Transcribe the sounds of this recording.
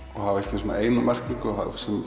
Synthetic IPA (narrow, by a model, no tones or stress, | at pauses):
ɔɣhavɛhcɪsuːna̰eːjnamɛr̥kliŋkʏɔasɛm